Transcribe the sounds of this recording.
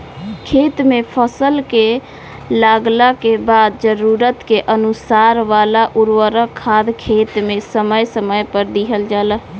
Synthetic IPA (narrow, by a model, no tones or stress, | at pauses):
kʰet̪mepʰəsəlke | laɡlakebad̪̚d͡ʒəɾuɾət̪keʔənusaɾʋalaʔuɾwəɾəkʰːad̪kʰet̪mesəməjsəməjpəɾd̪iɦəld͡ʒalə